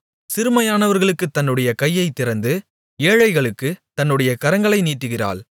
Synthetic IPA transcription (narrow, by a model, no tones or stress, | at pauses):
sɪɾɯmɐjaːnɐʋɐɾɣɐɭɯkːɯt̪ːɐnːɯɽɐjɐkɐjːɐɪt̪ːɪɾɐnd̪ɯ | eːɻɐɪɣɐɭɯkːɯt̪ɐnːɯɽɐjɐkɐɾɐŋɡɐɭɐɪniːʈːɯɣɪra̰ːɭ